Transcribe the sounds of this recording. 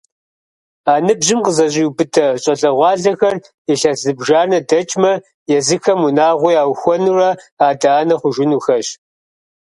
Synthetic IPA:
aːnɨbʑɪmqəzɐʑʼiubɨtʰɐɕʼɐɬɐʁʷɑːɮɐxɐr | ɛɬɐzɨbʒaːnɐdɐt͡ʃʼmɐ | jɛzɨxɐmunaːʁʷʊjaːwxʷɔnuːrɐaːdaːnɐχʷʊʒʷɪnuːxɐɕ

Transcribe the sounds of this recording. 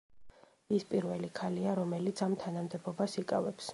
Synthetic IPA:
ispʼiɾvɛlikʰaliaɾɔmɛlit̪sʰamt̪ʰanamd̪ɛbɔbasikʼavɛps

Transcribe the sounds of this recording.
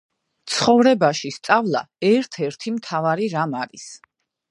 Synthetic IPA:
t̪sʰχɔvɾɛbaʃist̪sʼavlˠa | ɛɾt̪ʰɛɾt̪ʰimt̪ʰavaɾiɾamaɾis

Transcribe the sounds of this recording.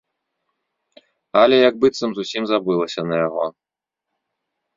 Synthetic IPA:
ɐlʲɛjɐɡ̚bɨt̪sɐmzusʲimzabɨlˠɐsʲɐnɐjaɣɔ̰

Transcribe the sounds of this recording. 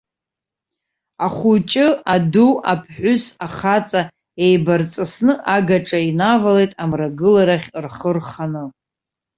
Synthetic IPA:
aχʷut͡ʃʼɨaduapʰħʷʊsaχat͡sʼa | ejbart͡sʼɨsnɨʔaɡaʈ͡ʂʼainavalejtʼamraɡɨlaɾaχʲrχərχanɨ

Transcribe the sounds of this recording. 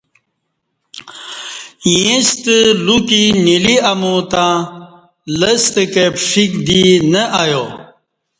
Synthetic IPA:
jẽst̪əlukiniliɐmut̪ãː | ləst̪əkepʂikd̪inəʔajo

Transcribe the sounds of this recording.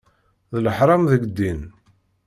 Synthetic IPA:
ðələħɾˤɑmðəɡd̪ːin

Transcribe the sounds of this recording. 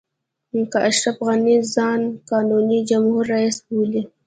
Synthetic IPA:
mʊkaʔaʃɾafɣanizɑːnkɑːnunid͡ʒamhuɾːaisbuli

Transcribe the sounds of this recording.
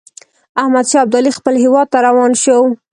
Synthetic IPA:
ahmad̪ʃɑab̚d̪ɑlixpəlɦɪwɑd̪̚t̪aɾawɑnʃəw

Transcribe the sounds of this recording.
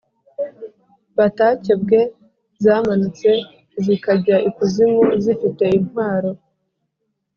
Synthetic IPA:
βatace̞b̚ɡe̞ | zaːmanut͡se̞ | zikaɟaʔikuzimozifite̞inhwaːɾo̞

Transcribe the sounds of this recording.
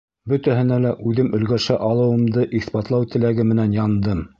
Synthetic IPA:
bɵt̪æɦɘ̆nælæʔʉðɘmʔɵ̆lɡæʃæʔɑlˠɤ̆wɤ̆md̪ɤʔiθspɑt̪lˠɑwt̪ɘ̆læɡɘmɘ̆nænjɑnd̪ɤm

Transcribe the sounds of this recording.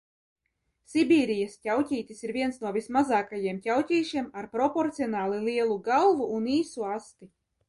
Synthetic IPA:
sʲibʲiːɾijascʲawtʲiːt̪ʲisiɾvʲiɛnsnuɔvʲismazaːkajiɛmcʲawtʲiːʃiɛmaɾpɾɔpɔɾt̪siɔnaːlˠilʲˠiɛlˠuɡalˠvuʔːniːsuast̪i

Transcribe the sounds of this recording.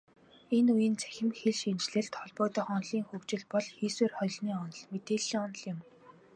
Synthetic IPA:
enujɪ̆nt͡sʰæ̥xʲɪ̆mxeɮʃint͡ɕɮɘ̆ɬt̪χɔɮpɔːt̪ɔ̆ːχɔnɮiːŋxɵwt͡ɕɪ̆ɮpɔɮxiːsweːrχɔj̆ɮniːɔnɞ̆ɮmet̪eːɮiːŋɔnɞ̆ɮjʊ̆m

